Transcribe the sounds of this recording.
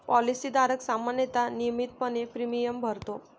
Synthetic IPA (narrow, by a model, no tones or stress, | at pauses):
pɔlisid̪aɾəksamanjət̪anijəmit̪̚pənepɾimijəmbʱəɾt̪o